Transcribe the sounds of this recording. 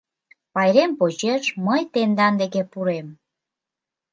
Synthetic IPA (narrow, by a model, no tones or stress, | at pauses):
pɑjɾempot͡ɕeʃməjt̪end̪ɑnd̪eɣepuɾem